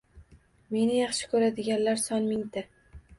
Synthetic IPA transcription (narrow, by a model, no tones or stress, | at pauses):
me̞nɪjɑχʃɪ̥kʰɵɾad̪ɪɡʲanlaɾsɒnmɪŋd̪ɪ